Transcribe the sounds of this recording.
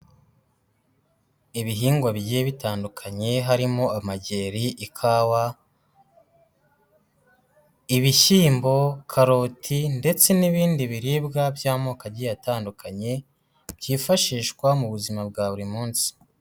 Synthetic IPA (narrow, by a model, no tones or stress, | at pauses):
iβiɦiːŋɡwaβiɟijeβitaːndukʰaɲe̞ɦaɾimo̞amaɟe̞ːɾiʔikʰawa | iβiʃiːmbo̞kʰaɾo̞tʰinde̞t͡se̞niβiːndiβiɾiːbɡabjaːmoːkaɟijataːndukʰaɲe̞ | bjiːfaʃiːʃkwamuβuzimab̚ɡaːβuɾimuːnsi̥